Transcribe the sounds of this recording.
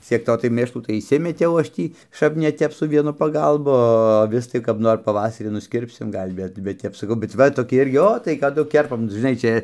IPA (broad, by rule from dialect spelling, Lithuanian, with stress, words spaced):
t͡sʲiɛk ˈtoː tɐɪ ˈmʲeːʃlˠuː tɐɪ ɪʃʲˈsʲɪmʲɛtʲɛʊ ˈɐʃ ˈtʲiː ˈʃɐp nʲɛ ˈtʲɛp sʊ ˈʋʲiɛnʊ pɐˈɡɐlˠbʊ oː ɐˈʋʲɪs tɐɪ kɐp ˈnoːr pɐˈʋɑːsɐrʲiː nʊsʲˈkʲɪrʲpʲsʲɪm ˈɡɐlʲ ˈbʲɛt bʲɛt ˈtʲɛp sɐˈkɐʊ bʲɛt ˈʋɐ toːˈkʲɪ ˈɪrʲɡʲɪ ˈoː tɐɪ kɐˈdʊ ˈkʲɛrpɐm ʒʲɪˈnɐɪ ˈt͡ʃʲɛ